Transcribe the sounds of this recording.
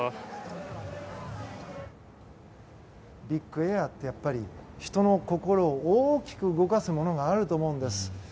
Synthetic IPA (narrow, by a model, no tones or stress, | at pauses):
bʲikːɯ̟e̞at̪ːe̞japːaɾʲiçi̥t̪o̞no̞ko̞ko̞ɾo̞ːoːkʲi̥kɯ̟ɯɡo̞kasɨmo̞no̞ɡaːɾɯ̟t̪o̞ːmo̞ɯ̃nd̪e̞sɨ̥